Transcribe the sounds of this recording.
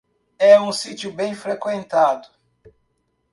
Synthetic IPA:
ɛũsit͡ʃjʊbẽj̃fɾekwẽnt̪ad̪ʊ

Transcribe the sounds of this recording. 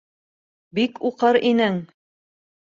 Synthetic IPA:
bikuqɤɾinɘŋ

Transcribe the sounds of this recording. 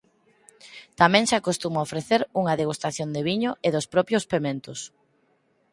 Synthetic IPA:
t̪amɛ̃ŋsakost̪umaofɾeθeɾuŋɐðeɣust̪aθjond̪eβiɲʊʔeðospɾɔpjospemẽnt̪ʊs

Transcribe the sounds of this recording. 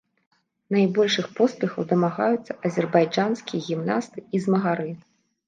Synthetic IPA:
najbɔlʲʂɨxpɔspʲɛxɐwd̪ɐmaɣajut̪sːɐʔɐzʲɛrbajd͡ʐanskʲijɐɣʲimnast̪ɨizmɐɣaɾɨ

